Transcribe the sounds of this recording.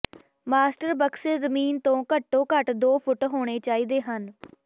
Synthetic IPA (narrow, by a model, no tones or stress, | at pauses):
maːsʈəɾbəkseːzəmiːnt̪õːkəʈːõːkəʈd̪oːpʰʊʈɦoːɽ̃eːt͡ʃaːiːd̪eːɦən